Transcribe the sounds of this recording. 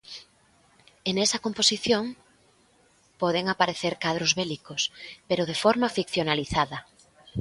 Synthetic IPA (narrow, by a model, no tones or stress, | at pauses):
enɛsɐkomposiθjoŋ | pɔðeŋapaɾeθeɾkað̞ɾozβelikospeɾoð̞efɔɾmafikθjonaliθaðɐ